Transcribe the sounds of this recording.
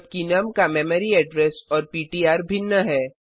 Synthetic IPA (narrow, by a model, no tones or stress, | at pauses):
b̚kinɐmkamɛːməɾiɛːɖɾɛsɔːɾpiːʈiaːɾbʱɪnːəɦɛː